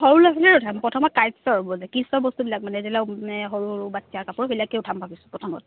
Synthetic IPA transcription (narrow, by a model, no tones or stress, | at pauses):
ɦoɹulapilɛɹʊtʰampɔtʰɔmɔt̚kajsɔɹɔbɔzakisɔɹbɔstubilak̚manɛzɛlaɛɦɔɹuɹbatiakapuɹɔbilakɛʊtʰampabisʊ̥pɹɔtʰɔmɔ̰t̚